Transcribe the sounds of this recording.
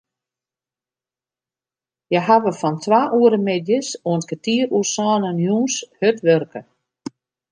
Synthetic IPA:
jɛɦaʋəfɔntʰʋaːʔuəɾəmɪdjəsuəntkətiːrusɔːnənjuːnshøtʋørkə

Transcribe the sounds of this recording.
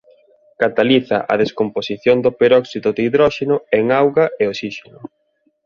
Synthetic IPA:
kat̪aliθa̰ʔɐ̰ðeskomposiθjond̪opeɾɔksiðoðeiðɾɔʃenʊeŋawɣaeosiʃenʊ

